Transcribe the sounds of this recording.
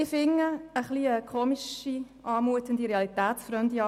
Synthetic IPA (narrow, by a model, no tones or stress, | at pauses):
ɪfɪŋːəəχliəkʰoːmiʃi | ʔɑːmuət̪ənd̪iɾeɑlit̪æːt̪sfɾœmd̪iɑ